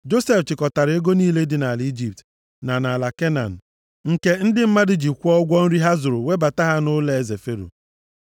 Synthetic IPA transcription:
d͡ʒo˦se˦˨ft͡ʃɪ˨kɔ˨ta˨ɾe˦ɡo˦niː˦le˦dɪ˦na˨li˦d͡ʒi˨p̚t | na˨na˨la˨ke˦na̰˨n̩˨ | ŋ̩˨ke˦n̩˦dɪ˦m̩˦ma˦dɪ˦d͡ʒi˨kʷɔ˦ɡʷɔ˦n̩˦ɾi˦ɦa˦zʊ˨ɾʊ˨we˦ba˨ta˦ɦa˦nʊ˦le˦e˨ze˨fe˦ɾṵ˨

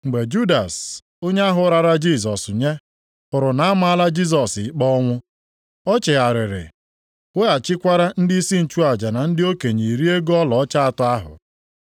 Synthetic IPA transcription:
ŋ͡m̩˨ɡ͡be˨d͡ʒu˦da˨s | o˦ɲe˦a˦ɦʊ˨˦ɾa˨ɾa˦d͡ʒi˦s̬ɔ˨sʊ˨ɲe˦ | pʊ˨ɾʊ˨na˨a˦ma˦a˦la˦d͡ʒi˦s̬ɔ˨sɪ˨˦k͡pɔ˦ŋʷʊ˦ | ɔ˦t͡ʃɪ˨a˨ɾɪ˨ɾɪ̰˨ | we˦a˨t͡ʃɪ˦kʷa˦ɾa˦n̩˦dɪ˦i˦si˦n̩˨t͡ʃu˦a˨d͡ʒa˨na˨n̩˦dɪ˦o˦ke˨ɲi˨ɾi˦e˦ɡɔ˦lɔ˨ɔ˦t͡ʃa˦a˨tʊ˦a˦ɦʊ̰˨

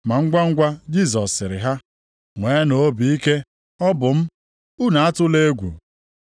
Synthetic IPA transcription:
ma˨ŋ̩˦ɡʷa˦ŋ̩˦ɡʷa˦d͡ʒi˦˨z̬ɔ˨sːɪ˨ɾɪ˨ɦa˦ | ŋʷeː˨˦no˨o˦bi˨i˦ke˦ | ɔ˦bʊ˨m̩˦ | u˦na˨a˦tʊ˦le˦ɡʷṵ˨

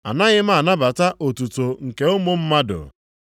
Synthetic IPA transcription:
a̰˨na˦ɣɪ˦m˦a˨na˦ba˨ta˦ʔo˨tu˨to˨ŋ̩˨ke˨o˦mʊ˦m̩˦ma˦dʊ̰˨

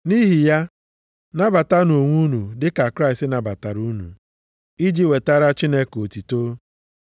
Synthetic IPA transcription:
ni˦ɦi˨ja˦ | na˦ba˨ta˦no˨ŋʷu˦nu˨dɪ˦ka˨kɾa˦ɪ˨stɪ˦na˨ba˨ta˨ɾu˦nṵ˨ | i˦d͡ʒi˦we˨ta˦ɾa˦t͡ʃi˦ne˦ko˨ti˨to˦

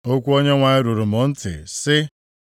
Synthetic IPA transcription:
o˦kʷu˦o˦ɲe˦ŋʷa˨ɪ˦ɾu˨ɾʊ˨mʊ˨n̩˦tɪ̰˨sɪ˦

